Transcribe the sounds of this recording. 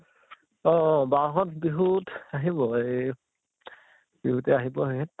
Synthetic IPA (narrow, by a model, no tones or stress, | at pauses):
ɔ̃baɦɔtbiɦutaɦibɔej | b̥iɦutɛaɦibɔɦjɦɛtː